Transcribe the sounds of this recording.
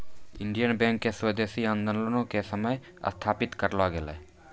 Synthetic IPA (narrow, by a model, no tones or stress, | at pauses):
ɪɳɖijənbɛ̃ːŋkːesweːd̪eːsiãːnd̪ənlənõkesəməj | ə̰st̪ʰaːpɪt̪kəɾlaɡelɛ̰